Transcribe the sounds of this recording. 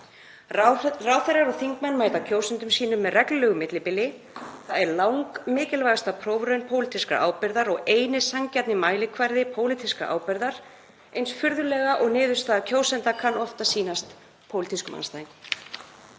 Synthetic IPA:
rawθɛɾaɾɔɣθiŋkmɛnːmaːjt̪acʰoːwsɛnt̪ʏmsiːnʏmːɛðrɛkllœːɣʏmɪt̪lɪpɪlːɪ | θaðɛɾlawŋkmɪːcɪlvaɣast̪apʰɾoːwvɾœɥjnpʰoːwlɪt̪iska̰ʔa̰ːwpɪɾðaɾɔɣeːjnɪsaŋcɛt̪nɪmaːjlɪkʰvaɾðɪpʰoːwlɪt̪ʰiskaʔa̰ːwpɛɾðaɾ̥ | ejnsfʏɾðʏlɛːɣaʔɔɣnɪːðʏst̪aːðacʰoːwsɛnt̪akʰanːɔft̪asiːnast̪ | pʰoːwlɪt̪iskʏmʔa̰nst̪aːɪŋk

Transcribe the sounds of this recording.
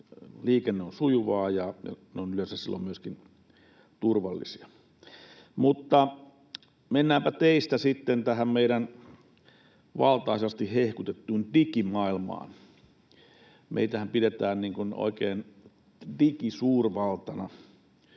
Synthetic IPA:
liːkenːeonsujuʋɑːjɑjɑ̰neonyløˑensæssilːo̰mmyøskin | t̪urʋɑlːḭsiɑ | mut̪ːɑ | menːæːmpæt̪eist̪æsit̪ːent̪æhæmmeiɾæn | ʋɑ̰lt̪ɑˑisɑst̪ihehkut̪et̪ːuːndikimɑilmɑ̰ːn | mʔḛˑit̪æhæmpidet̪æːnniːŋkuno̰ˑikeːn | dikisuːrʋɑlt̪ɑnɑ

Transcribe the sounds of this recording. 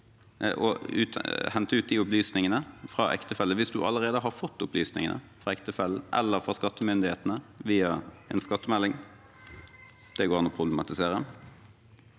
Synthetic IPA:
ʔɔ̰ʉ̰t̪hɛnt̪əʉːt̪̚d̪ɪʊplyːsnɪŋənəfɾɑʔɛ̰kt̪əfɛlːəʋɪsd̪ʉʔɑ̰lːəʁeːd̪əɦɑfɔt̪ːʊplyːsnɪ̰ŋənʔə̰ | fɾɑɛkt̪əfɛlːəʔɛ̰lːəɾfʁɑskɑt̪ːəmʏnd̪ɪheːt̪nəʋiːɑɛ̰nskɑt̪ːəmɛlːɪŋ | d̪̥ɛɡoːɾɑnɔpʰʁʊblɛmɑt̪ɪseːɾəəm

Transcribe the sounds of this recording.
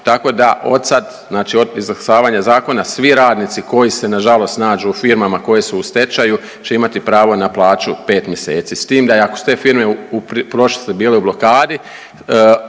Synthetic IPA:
t̪ako̞d̪aʔo̞d̪sad̪ | znaːt͡ʃioizlasaːʋaːɲazaːko̞nasʋiɾaːd̪niːt̪siko̞jise̞naʒalo̞st̪naːd͡ʒufiɾmamako̞jesuust̪e̞t͡ʃaju | t͡ɕe̞imat̪ipɾaːʋo̞naplˠaːt͡ʃupe̞ːt̪mjeseːt̪sist̪iːmd̪aakosu̥t̪eːfiɾme̞uppɾo̞ʃlisebiːleublo̞kaːd̪i

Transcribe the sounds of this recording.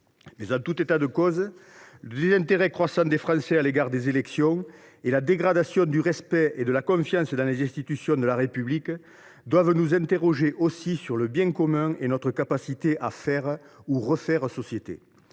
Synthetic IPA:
mɛzɑ̃t̪ut̪et̪ad̪əkɔzələd̪ezɛ̃nt̪eʁɛkχwasɑ̃d̪efχɑ̃sɛaleɡaʁd̪ezelɛksjɔ̃elad̪eɡʁad̪asjɔ̃d̪yʁɛspɛed̪əlakɔ̃fjɑ̃səd̪ɑ̃lezɛ̃st̪it̪ysjɔ̃d̪əlaʁepyblik | d̪wavənuzɛ̃nt̪eʁɔʒeʔosisyʁləbjɛ̃ŋkɔmɛ̃enɔt̪χəkapasit̪eʔafɛʁ | uʁəfɛʁəsɔsjet̪ḛ

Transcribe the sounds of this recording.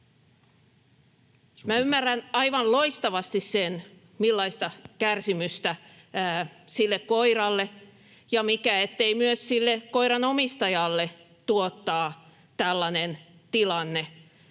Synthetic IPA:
mæymːærːænɑiʋɑnloist̪ɑʋɑst̪issen | milːɑist̪ɑkærsimyst̪æ | silːekkoirɑlːe | jɑmikæet̪ːeimyøssilːekoiɾɑnomist̪ɑjɑlːe | t̪uot̪ːɑː | t̪ælːɑnent̪ilɑnːe

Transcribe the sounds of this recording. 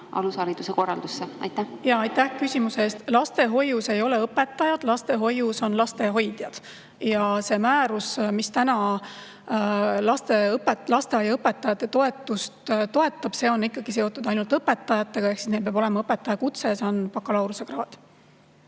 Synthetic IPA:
ʔɑ̰lusɑːlit̪ːˑuseko̞rːɑ̰ld̪usːeɑ̰jt̪ːæhjɑɑjt̪ːæhkysʲimuseeːst̪lɑst̪e̞ɦo̞juse̞jo̞le̞ɤpːe̞t̪ːˑɑjɑd̪̥lɑst̪e̞ɦo̞juso̞nlɑst̪e̞ɦo̞jd̪̥jɑd̪̥ | jɑse̞mæːɾusmist̪ænɑ | lɑst̪e̞ɤpet̪lɑst̪eɑjɑɤpe̞t̪ːˑɑjɑt̪ˑːe̞t̪o̞e̞t̪ːˑust̪t̪o̞e̞t̪ˑːɑb̥se̞ːo̞nikːɑɡ̥ise̞o̞t̪ːˑud̪̥ɑjnult̪ɤpːe̞t̪ːˑɑjɑt̪ːˑe̞ɡ̥ɑe̞hksisnelp̬ebo̞le̞mɑɤpːe̞t̪ːˑɑjɑkut̪se̞jɑse̞o̞npɑkːˑɑlɑwɾuse̞krɑːd̪̥

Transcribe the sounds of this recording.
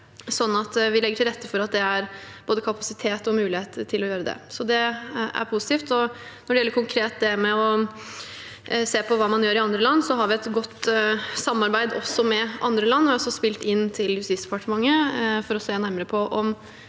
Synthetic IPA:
sɔnːɑt̪ʋɪlɛɡəʈʰɪlɾɛt̪ːəfɔɾɑt̪̚d̪ɛæɾb̥oːd̪əkʰɑpɑsɪt̪ʰeːt̪ɔmʉːlɪheːt̪t̪ʰɪlɔjøːɾəd̪ɛ̰sɔd̪ɛæ̰ɾpʰusɪt̪iːft̪ɔ | nɔɖɛjɛləɾkʰʊŋkʰɾeːt̪̚d̪ɛmɛɔ | seːpʰɔʋɑːmɑnjøːɾɪɑnd̪ɾəlɑnːsɔɦɑɾʋɪɛt̪ɡɔt̪ːsɑmːɑɾbæɪd̪ɔsːɔmɛʔɑ̰nd̪ɾəlɑnːɔɪɔsːɔspɪlt̪ɪnːt̪ʰɪljʉst̪ɪsd̪ɛpɑʈəmɑŋːəfɔɾɔseːnæɾməɾəpʰɔʔɔm

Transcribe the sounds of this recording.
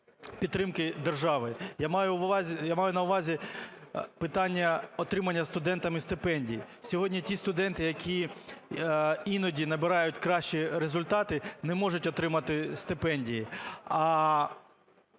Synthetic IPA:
pʲid̪ːɾɪmkɪd̪erʒɑʋɪjamjʊzʲjamɑjʊnɐʊʋɑzʲi | pɪt̪ɑnʲːɐɔt̪ɾɪmɐnʲːɐst̪ʊd̪ɛnt̪ɐmɪst̪ɪpɛnʲdʲḭjḭ | sʲɔɦɔdʲnʲitʲist̪ʊd̪ɛnt̪ɪjɐkʲʰi | inɔdʲinɐbɪɾɑjʊtʲkɾɑʃt͡ʃiɾezʊlʲt̪ɑt̪ɪnɛmɔʒʊtʲɔt̪ɾɪmɐt̪ɪst̪ɪpɛnʲdʲijiɐ

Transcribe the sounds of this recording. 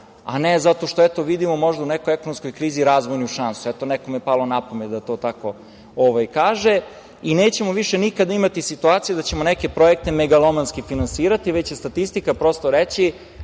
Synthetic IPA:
a̰nezat̪o̞ʃt̪oɛt̪o̞ʋid̪imo̞mo̞ʒd̪aunɛkojekonomskojkɾiːziɾaːzʋojniuʃansuɛt̪onɛkomiepalˠo̞napomed̪d̪at̪o̞ːt̪ako̞ | oʋajkaːʒe | ineːt͡ɕe̞mo̞ʋiʃenikad̪aimat̪isit̪uaːt̪sijed̪at͡ɕemonɛke̞pɾo̞ek̚t̪e̞meɡalˠomanskifinansiːɾat̪iʋet͡ɕjest̪at̪ist̪ikapɾo̞st̪oɾet͡ɕi

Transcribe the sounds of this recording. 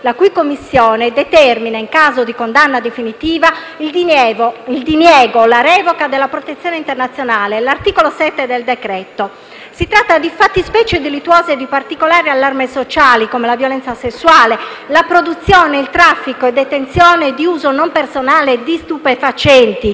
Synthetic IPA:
lakujkomːisːjɔːned̪ɛt̪ɛrminaiŋkaːzod̪ikond̪anːad̪efinit̪iːva | i | ild̪injɛːɡolaɾɛvokad̪elːapɾot̪et̪sjɔːneint̪ernat̪sːjonaːlelart̪iːkolosɛt̪ːed̪eld̪ekɾɛt̪o | sit̪ɾat̪ːad̪ifat̪ːispɛːt͡ʃed̪ilit̪ːwɔːzed̪ipart̪ikolaːɾialːarmesot͡ʃaːlikomelavjolɛnt̪sasesːuaːlelapɾod̪ut̪sːjɔːneilt̪ɾafːikoed̪ːɛt̪ent̪sjɔːned̪iuːzonompersonaːled̪ist̪upefat͡ʃɛnt̪i

